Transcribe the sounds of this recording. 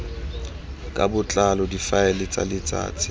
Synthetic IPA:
kʼabʊt͡ɬʼalɔdifaɛlɪt͡sʼa̰lɪt͡sʼa̰ːt͡sʰʼɪ̥

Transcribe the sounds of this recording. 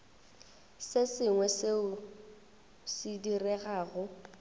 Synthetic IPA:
sɪsɪŋwɛsɪʊ | sidirɛɣaːɣʊ

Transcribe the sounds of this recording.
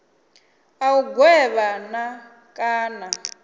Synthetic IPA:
auɡwɛβana | kʼaːna

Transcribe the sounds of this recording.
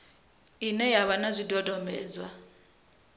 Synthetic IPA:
inɛjaβanazʷidɔdɔmɛ̰ːd͡zwa

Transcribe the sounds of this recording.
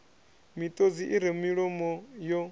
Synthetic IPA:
mit̪ʼod͡ziʔiɾemiɺɔmɔjɔ

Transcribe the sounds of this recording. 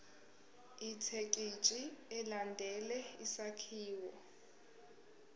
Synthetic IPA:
itʰekʼit͡ʃʼiɛlandʱɛlɛisakʰiːwɔ

